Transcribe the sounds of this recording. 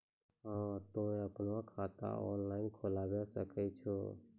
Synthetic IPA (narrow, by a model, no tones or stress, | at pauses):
ɦãt̪õẽəpnãkʰaːt̪ã̰ɔ̰nlaːɪnkʰolaːʋjasəkɛt͡ʃʰoː